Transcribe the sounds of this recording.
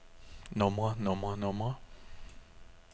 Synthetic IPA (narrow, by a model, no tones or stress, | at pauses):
nɔ̃mwãnɔ̃mwanɔ̃mwã